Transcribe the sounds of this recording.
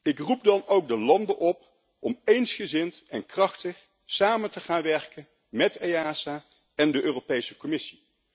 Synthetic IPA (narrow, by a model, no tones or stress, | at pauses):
ɪkrup̚dɑnowk̚dəlɑndəʔɔp | ʔɔmejnsχəzɪntɛnkrɑχtəχ | saːməntəχaːnʋɛɹkən | mɛtejaːsaː | ɛndəʔøːropejsəkɔmɪsi